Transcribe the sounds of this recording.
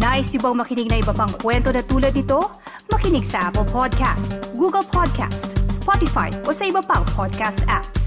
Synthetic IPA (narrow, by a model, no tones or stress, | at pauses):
naʔɪsʊbɐŋmɐkɪnɪɡ̚nɐʔɪbɐpɐŋkwɛnt̪o̞nɐt̪uːlɐd̪nɪt̪o̞ | mɐkɪnɪɡsɐʔapɛlpʰod̪̚kʰa̰st̪ɡuːɡɐlpʰod̪̚kʰa̰st̪spot̪ɪfa̰jʔosɐʔɪbɐpɐŋpʰod̪̚kast̪ʔaps